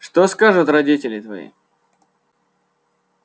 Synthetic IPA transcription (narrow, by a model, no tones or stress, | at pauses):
ʂt̪oskaʐʊt̪rɐdʲitʲɪlʲɪt̪vɐ̰ḭ